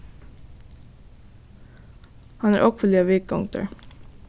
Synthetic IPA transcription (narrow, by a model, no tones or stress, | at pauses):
hɑnæːɾʔɔkfəliːɑʋɪk̚ɡɔ̰ŋt̪ə̰ɹ